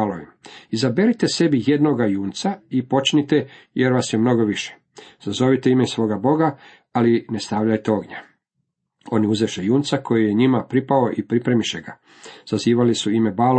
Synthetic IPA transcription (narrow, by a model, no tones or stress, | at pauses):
aloimizabeɾit̪e̞se̞bije̞d̪no̞ɡajuːnt̪saipo̞t͡ʃnit̪ejeɾʋasjemno̞ɡo̞ʋiʃe̥ | z̥azo̞ʋit̪eimesʋo̞ːɡabo̞ɡa | alinest̪aːʋlʎajt̪eo̞ɡɲa | o̞niuzeʃejuːnt̪sakʰo̞jijeɲimapɾipao̞ʔipɾipɾemiʃeɡa | z̥aziːʋalisuimebaːl